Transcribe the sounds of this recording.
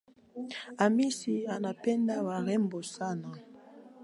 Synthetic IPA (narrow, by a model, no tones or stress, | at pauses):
amisianapɛndawaʁɛmbosana